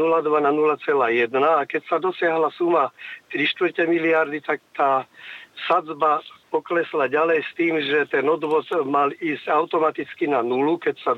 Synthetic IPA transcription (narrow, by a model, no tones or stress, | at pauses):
nulad̪ʋananulat͡sɛlaːjɛd̪naːkɛcsad̪ɔsɪaɦlasumat̪ɾiʃt̪ʋr̩cɛmiliaɾd̪it̪ak̚t̪aːsad͡zbapɔklɛslaɟalɛjst̪iːmʒɛt̪ɛnɔd̪ʋɔt̪maliːscaʊt̪ɔmat̪it͡skinanulukɛcsa